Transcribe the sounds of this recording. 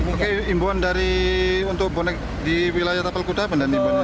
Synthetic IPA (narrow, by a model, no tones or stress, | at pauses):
akeimbuandaɾiunt̪ʊk̚bɔnɛk̚ | diwilajat̪apalkudapəndanimbuan